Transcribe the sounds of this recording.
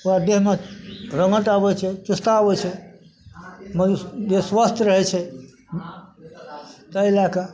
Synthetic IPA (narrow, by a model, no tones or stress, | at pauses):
uad̪eɦmeɾəŋəʈ̪abɛt͡ʃʰɛt͡ʃust̪abɛt͡ʃʰɛ | md͡ʒeswəst̪ʰɾəɦɛt͡ʃʰɛ | t̪əilaka